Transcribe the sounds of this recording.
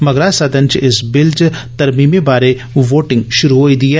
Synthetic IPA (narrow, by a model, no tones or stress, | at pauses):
mɐɡɾasɐd̪ənt͡ʃɪsbɪlt͡ʃt̪ɐɾmiːmebaːɾe | ʋoːʈɪ̃ŋɡʃʊɾuɦoːid̪ie